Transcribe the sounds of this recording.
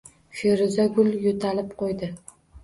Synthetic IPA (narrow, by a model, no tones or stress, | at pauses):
ʃeɾɪzaɡʊljot̪ʰalɪp̚qʰojd̪ɪ